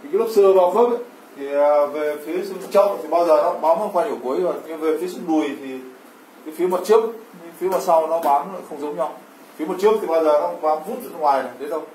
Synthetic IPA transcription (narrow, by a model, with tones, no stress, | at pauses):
kːlə˦˥p̚sɨ˧vaː˨˩fə˦˥k̚a˨˦ | t̪ʰi˨˩əː˨˩ve˨˩fi˨˦sɨ˧m˨˩t͡ɕə˧˥wŋ͡mt̪ʰi˨˩ɓaː˧wzəː˨˩nɔ˨˦ɓaː˨˦nə˧ŋ͡mkwaː˧ɲi˧˩wku˨˦əja˨˩˨ɲɨ˧ve˨˩fi˨˦sɨ̰˧ɗu˨˩əjt̪ʰi˨˩ | kə˨˦fi˨˦ma˨˩t͡ɕɨ˦˥ək̚fi˨˦maː˨˩sa˧wnɔ˨˦ɓaː˨˦nə˧˨˦xə˧wŋ͡mzə˨˦wŋ͡mɲa˧w | fi˨˦mo˨˩t͡ɕəp̚t̪i˨˩ɓaː˧wzəː˨˩nɔ˨˧ɓaː˨˦nvu˦˥n̚zə̰˧˨n˧ŋwaː˨˩jnə˨˩ɗe˨˦ɗə˧w